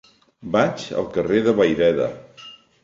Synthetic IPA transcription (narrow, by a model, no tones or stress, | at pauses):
bat͡ʃə̰lˠkəreðəβəjðɛðə̰